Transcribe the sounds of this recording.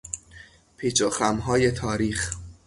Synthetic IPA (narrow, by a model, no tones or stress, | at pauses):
pʰiːt͡ʃʰoxæmɦɒːje̞t̪ʰɒːɾiːx